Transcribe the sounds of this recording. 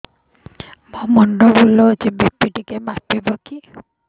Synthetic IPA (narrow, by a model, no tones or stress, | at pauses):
mɔmɔɳɖɔbulɔt͡ʃibipiʈikemapibɔki